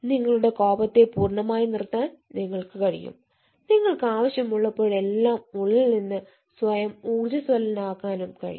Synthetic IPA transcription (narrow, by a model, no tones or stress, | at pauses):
niŋːɐɭuɽe̞ko̞ːbɐt̪ːe̞puːrɳɐmaːjinirt̪ːaːnniŋːɐɭkɨkɐɻḭjṵm | niŋːɐɭkɨaːʋɐɕjɐmuɭːɐpːoːɻe̞lːaːmuɭːilninːɨ | sʋɐjɐmuːrd͡ʑɐsʋɐlɐnaːkːaːnumkɐ̰ɻḭj